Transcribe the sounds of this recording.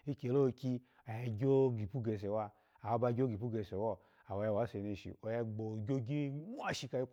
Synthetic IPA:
i˧ke˨lo˦˧kʲi˧ | a˨jɛ˧ɡʲo˦ɡi˨pu˦ɡe˧˨se˨wa˧ | a˨wo˧ba˧ɡʲo˦ɡi˨pu˦ɡe˧˨se˨wɔ˦˨ | a˨wja˧˨wa˨˦se˧ne˧˨ʃḭ˨o˨jɛ˧ɡ͡bo˨ɡʲo˦ɡe˦ŋʷu˦a˦˨ʃi˧ka˧ji˦k

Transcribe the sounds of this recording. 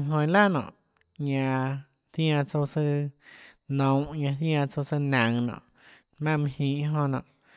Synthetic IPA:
ɦõ˧j̃la˦nɔ̰̃˨ʔ | ɲã˧ | t̪j̃ã˧t͡so˧sɨ˦˧ | nɔ̃˨˧˦ɲã˧θjã˧t͡so˧sɨ˧nã˨ŋnɔ̰̃ː˨ʔ | mã˦˨mĩ˧hĩ˧˨ʔɦõ˧nɔ̰̃ː˨ʔ

